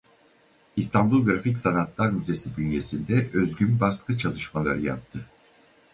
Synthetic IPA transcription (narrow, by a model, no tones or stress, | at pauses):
ist̪ʰanbulˠɡɾaficsanat̪lˠaɾyze̞sibynje̞sind̪ɛʔøzɡynbaskɯt͡ʃʰalˠɯʃmalˠa̰ɾɯja̰p̚t̪ʰɯ